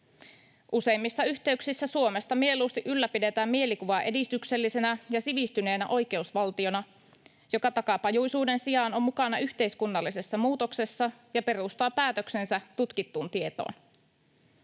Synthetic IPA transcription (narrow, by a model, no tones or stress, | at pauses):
ʔuse̞imːisːɑyht̪e̞yksisːæsuo̞mest̪ɑmie̞luːst̪iʔylːæpide̞t̪æːmmie̞likuʋɑʔe̞dist̪ykse̞lːise̞næjɑsiʋist̪yne̞ːnæʔo̞jk̟e̞usʋɑlt̪io̞nɑ | jo̞kɑt̪ɑkɑpɑjujsuːde̞nsijɑːno̞mːukɑnɑyçt̪e̞iskunːɑlːise̞sːɑmuːt̪o̞kse̞sːɑjɑpe̞ɾust̪ɑːpæːt̪ø̞kse̞nsæt̪ut̪kit̪ːuːnt̪ie̞t̪o̰ːn